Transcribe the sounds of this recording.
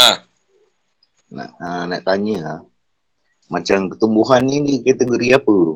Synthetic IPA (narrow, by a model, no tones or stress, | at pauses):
a | na̰anaʔt̪aɲila | mat͡ʃamkə̥t̪umbuɦanːidikat̪eɡoɾiapəɾu